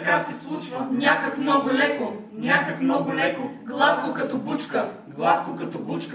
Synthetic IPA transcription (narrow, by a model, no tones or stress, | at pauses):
kasɛslˠut͡ʃvɐnʲakəkmnɔɡʊlɛko | nʲakəkmnɔɡʊlɛkoɡlˠat̪̚kokɐt̪ɔbut͡ʃkəɡlˠat̪̚kokɐt̪ɔbut͡ʃk